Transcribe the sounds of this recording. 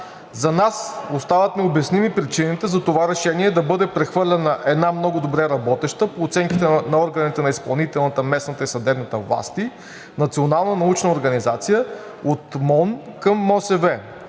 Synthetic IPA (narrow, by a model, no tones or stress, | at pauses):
zɐnasost̪avɐt̪nɛobɛsnimipɾit͡ʃinit̪ɛzɐt̪ovaɾɛʃɛniɛd̪ɐbɤd̪ɛpɾɛxvɤɾlʲɐnɐʔɛd̪namnɔɡʊd̪obɾɛɾɐbɔt̪ɛʃt̪əpoːt̪sɛŋkʲit̪ɛnɐɔɾɡɐnit̪ɛnɐispɐlˠnit̪ɛlˠnət̪əmɛsnət̪əisɐd̪ɛbnət̪əvlˠa̰st̪i | nɐt̪sionalˠnənɐut͡ʃnəoɾɡɐnizat̪sijə | ot̪mɔnkəmːɔsɛvɛ